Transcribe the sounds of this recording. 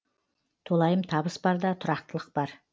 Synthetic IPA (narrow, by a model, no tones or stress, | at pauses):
t̪ʰolˠɑjəmt̪ʰɑbəsbɑɾd̪ɑt̪ʰʊɾɑq̚t̪əlˠəq̚bɑɾ